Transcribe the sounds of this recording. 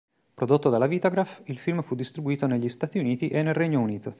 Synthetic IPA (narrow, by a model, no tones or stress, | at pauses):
pɾod̪ot̪ːod̪alːavit̪oɡɾafilfilmfud̪ːist̪ɾibuiːt̪oneʎːist̪aːt̪iuniːt̪iʔenːelreɲːouniːt̪o